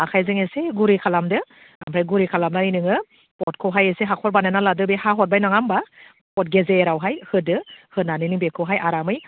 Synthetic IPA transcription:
akʰajzɯŋeseɡuɾikʰalamdɯ | ampʰajɡuɾikʰalamnaɾinɯŋɯ | pɔt̚kʰɔwɦajeseɦakʰɔɾbananaladɯbehaɦɔt̚bajnaŋamba | pɔt̚ɡezeɾawɦajhɯdɯhɯnanɯnɯŋbekʰɯwɦajʔaɾamɯj

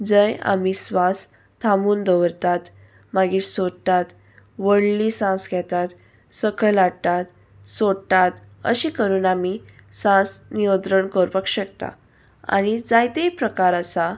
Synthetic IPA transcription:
d͡zəja̰misʋas | t̪ʰamuːnd̪əʋəɾt̪at̪ | maɡiːsodt̪at̪ | ʋəɽlisãsɡʱɛt̪at̪ | səkʰəɭlaɽt̪at̪ | soɽt̪at̪ | ə̰ɕiːkəɾuːnamisãsnijənt̪ɾəɳkəɾpəkɕək̚t̪a̰ | a̰ɽ̃id͡zajt̪ejpɾəkaɾəsa

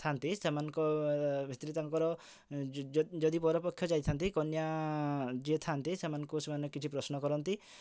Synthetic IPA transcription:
t̪ʰant̪isemanɔ̃ŋkɔbʱit̪ɾit̪aŋkɔɾɔ | d͡ʒɔd̪ipɔɾɔpɔkʰjɔd͡ʒajt̪ʰant̪ikɔnja | d͡ʒet̪ʰant̪isemanɔŋkusemanɔkɔkit͡ʃʰipɾɔsnɔkɔɾɔnt̪i

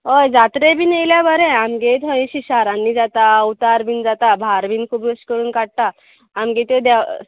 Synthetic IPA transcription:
ɦojd͡zat̪ɾebʱiːnejljabəɾɛ̃amɡet̪ɦõɕiɕaɾãnːiːd͡zat̪aəwt̪aɾbiːnd͡zat̪abʱaɾbiːnkʰuːbəskəɾuːnkaɽ̚t̪aː | mɡet̪ed̪a

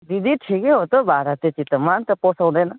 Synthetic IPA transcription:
d̪id̪ʱiʈʰikɛɦot̪obʱaːɾat̪it͡ʃit̪əmaːnt̪ɐpoːsõwd̪ena

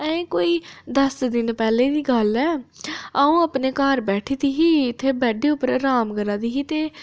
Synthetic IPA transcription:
ɛ̃ẽːkoːiːd̪əsd̪ɪnpɛːleːd̪iːɡəlɛːaːũːəpneːkaːɾbɛːʈʰiːd̪iːɦiːɪt̪ʰːeːbɛːɖeːʊpəɾɾaːmkəɾaːd̪iːɦiːt̪eː

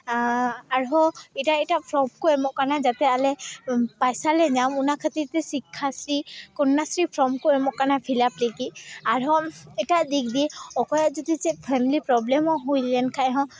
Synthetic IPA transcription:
aɹɦɔɛtaɛtapʰɹɔmkoɛmɔkanazat̪ɛalɛpajsalɛzamunakʰat̪itɛsikʰːasɹikɔnːasɹipʰɹɔmkoɛmɔkːanapʰilaplekiaɹɦɔɛtadik̚diɔkɔjɔzɔdizɛpʰɛmilipɹɔblɛmɔɦojlɛnkʰajɦɔ̃

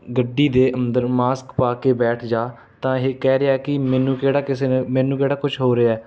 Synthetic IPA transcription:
ɡəɖːiːd̪eːʔənd̪əɾmaːskpaːkeːbɛːʈʰd͡ʒaː | t̪ãːɦeːkɛːɾejaːɛːkɪmɛːnũːkeːɽaːkɪseːnmɛːnũːkeːɽaːkʊt͡ʃʰɦoːɾeɛː

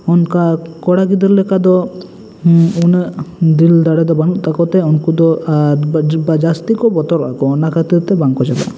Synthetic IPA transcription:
ɔnkakɔɽaɡid̪ɛɾlɛkad̪ɔ | unəd̪ild̪aɽɛd̪ɔbanuʔt̪akɔt̪ɛɔnkud̪ɔ | bad͡ʒast̪ikɔbɔt̪ɔɾa̰kɔnakat̪it̪ɛbaŋkɔd͡ʒala̰

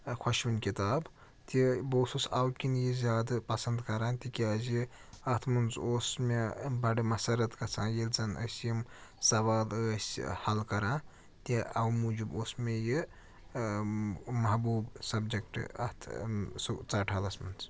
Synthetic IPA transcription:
kʰwɐʃʋinkit̪aːb | t̪iboːsusawkinjizʲaːd̪pɐsɐnd̪kɐɾãːnt̪ikʲiaziɐt̪ʰmunzoːsmebɐɖimɐsɐɾɐt̪kɐt͡sʰãːjilt͡sɐnɐ̰sjimsɐʋaːləshɐlkɐɾãː | t̪iawmud͡ʒuboːsmeji | mɐɦbuːbsɐbd͡ʒek̚ʈɐ̰t̪ʰsut͡saːʈʰalɐsmɐnz

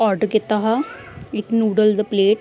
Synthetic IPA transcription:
ɔːɾɖəɾkɪt̪aːɦaː | ɪknuːɖəld̪əpleːʈ

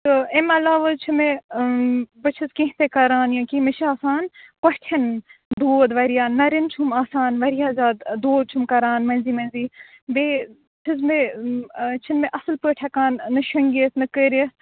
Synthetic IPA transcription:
t̪ɨemɐlaːʋɐt͡ʃʰime | bɐt͡ʃʰɐzkĩɦt̪ekɐɾaːnjɐ̃kimɐʃʰaːsaːnkɐʈʰɐnd̪oːd̪ʋɐɾijaːnnɐɾint͡ʃʰumaːsaːnʋɐɾijaːzaːd̪d̪oːd̪̚t͡ʃʰumkɐɾaːnmɐnziːmɐnʲziː | beː | t͡ʃʰizme | t͡ʃʰinmeʔɐsɨlpəːʈʰɐkaːnːɨʃɐŋɡisnɨkəːɾis

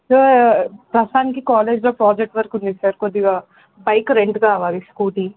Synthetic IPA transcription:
so | ɾɐsaːnikikaːleːd͡ʒloːpɾaːd͡ʒek̚ʈʋɐɾkund̪isaɾkod̪ːiɡaː | bɐjkɾeɳɖɡaːʋaːɾiskuːʈi

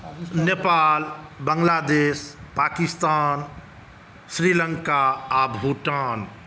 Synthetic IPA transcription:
nepaːlbəŋlaːd̪eːspaːkist̪aːn | sɾiləŋkaabʱuʈaːn

